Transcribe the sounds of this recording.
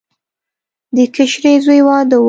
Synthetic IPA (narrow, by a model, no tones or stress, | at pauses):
d̪əkɪʃɾezojwɑd̪əw